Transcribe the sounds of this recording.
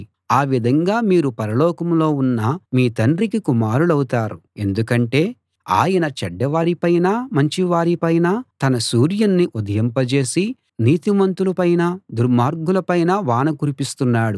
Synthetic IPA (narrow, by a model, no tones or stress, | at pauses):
aːʋid̪ʱɐŋɡaːmiːɾupɐɾɐlɔːkɐmlo̞ːunːɐmiːt̪ɐɳɖrikikumaːɾulɐwut̪aːɾue̞̰nd̪ukɐɳʈe̞ː | a̰ːjɐnɐt͡ʃɐɖːɐʋaːɾipɐjnaːmɐɲt͡ʃiʋaːɾipɐjnat̪ɐnɐsuːɾjɐnːiʔud̪ʱɐjɐmpɐt͡ʃe̞ːsi | niːt̪imɐnt̪ulɐpɐjnɐd̪uɾmaːɾɡulɐpɐjnɐʋaːnɐkuɾipist̪unːaːɽu